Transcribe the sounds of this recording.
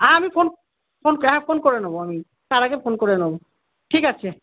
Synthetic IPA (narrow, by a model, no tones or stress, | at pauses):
ãamipʰon | pʰonkɛɦɛ̃pʰonkoɹɛnobɔami | t̪aɹakɛpʰonkoɹɛnobɔ | ʈʰikat͡ɕʰɛ